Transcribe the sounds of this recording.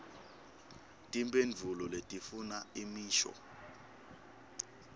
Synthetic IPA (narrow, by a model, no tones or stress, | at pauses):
tʼimbʼenvʱulɔletʼifunaimiːʃɔ̰